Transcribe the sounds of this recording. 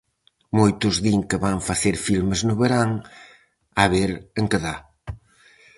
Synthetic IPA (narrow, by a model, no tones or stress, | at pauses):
mojt̪ʊzðiŋkeβaŋfaθeɾfilmeznʊβeɾaŋ | aβeɾeŋkeða